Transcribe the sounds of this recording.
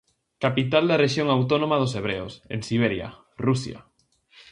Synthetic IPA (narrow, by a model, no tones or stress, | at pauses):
kapit̪ald̪areʃjoŋawt̪onõmað̞oseβ̞ɾeosḛ̃nsiβ̞eɾja̰ | rusja̰